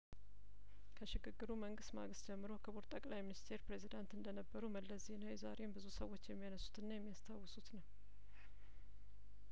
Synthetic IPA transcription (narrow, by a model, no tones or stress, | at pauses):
kʰəʃɪɡɨɡːɨɾuməŋɡɨst̪ma̰ɡɨst̪d͡ʒɛmːɨɾo̞kʰəboɾt̪ʼəkʼlajminist̪ʰe̞ɾpɾe̞zid̪ant̪ɨnd̪ənəbːəɾuməlːəsze̞nawjza̰ɾe̞mbɨzusəwːo̞t͡ʃːjɛmːijanəsu̥t̪ɨnːajɛmːijast̪ʰawːɔsut̪nəw